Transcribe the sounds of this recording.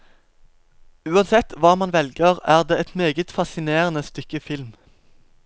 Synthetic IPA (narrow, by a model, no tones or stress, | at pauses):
ʉːɑnsɛt̪ʰʋɑːmɑnʋɛlɡəʁæːʁd̪eːɛt̪meːɡət̪fɑsɪneːʁənəst̪ʏkəfɪlm